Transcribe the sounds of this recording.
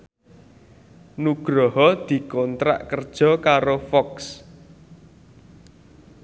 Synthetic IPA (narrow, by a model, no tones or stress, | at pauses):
nuɡ̥ɾɔɦɔd̪̥i̤kɔnt̪ɾa̰ʔkərd̥ʒ̥ɔ̤kaɾofɔks